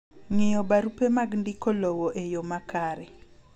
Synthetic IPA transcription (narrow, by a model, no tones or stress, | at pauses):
ŋɪjɔbaɾupemaɡndɪkolowoʔejomakaɾɛ